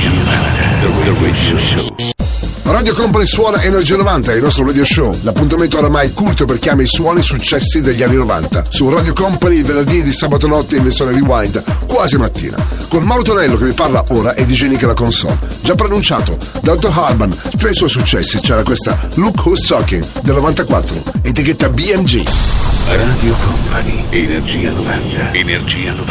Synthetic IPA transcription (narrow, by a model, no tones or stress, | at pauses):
rad̪jokɔmpaniswɔːnaʔɛnːod͡ʒiɾnovant̪aɛilnɔst̪ɾoɾad̪joʃolapːunt̪ament̪ooɾamajkult̪operkjaːmeiswɔːnisut͡ʃːɛsːid̪eʎːianːinova̰nt̪a̰suraːd̪jokɔmpaniːlvenerd̪iːed̪isaːbat̪onɔt̪ːeinvesjoːned̪iwaj̪d̪kwaːzimat̪ːḭːna̰kolmaːlot̪onɛlːokeviparlaʔoːɾaʔed̪ːid͡ʒɛnikalakonsɔ̰ld͡ʒapːɾonunt͡ʃaːt̪o | d̪at̪oɦarbant̪ɾejswɔjsut͡ʃːɛ̰sːit͡ʃɛːɾakwest̪a̰lukost̪sɔkḭŋd̪elnovant̪akwa̰t̪ːɾo̰et̪ik̟et̪ːabiɛmd͡ʒḭ | raːd̪ijokɔmpanienerd͡ʒiːa̰novɛnd̪eenerd͡ʒiːano